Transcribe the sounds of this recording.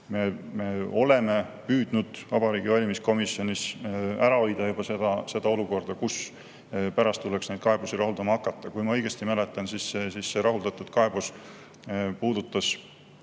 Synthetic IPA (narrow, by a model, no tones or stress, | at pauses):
me̞me̞o̞le̞me̞ | pyːd̪̥nud̪̥vɑbɑɾiːɡ̥ivɑlʲimisko̞misjo̞nʲisæɾɑojd̪̥ɑjub̥ɑsed̪̥ɑse̞d̪̥ɑo̞luko̞rd̪̥ɑkus | pæɾɑst̪t̪ːuleksne̞jd̪̥kɑe̞b̥usiɾɑɦuld̪ɑmɑɑkːˑɑt̪ˑːɑkujmɑɤ̞jɡ̥e̞st̪imæle̞t̪ːˑɑnsisːesisːe̞ɾɑɦuld̪̥ɑt̪ːˑud̪̥kɑe̞b̥us | puːd̪̥ut̪ːˑɑs